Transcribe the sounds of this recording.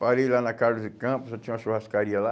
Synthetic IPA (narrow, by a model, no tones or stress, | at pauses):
paɾejlanɐkaɾlʊzd͡ʒɪkɐ̃pʊsɔt͡ʃĩɲ̃ũɐʃuhaskaɾiɐla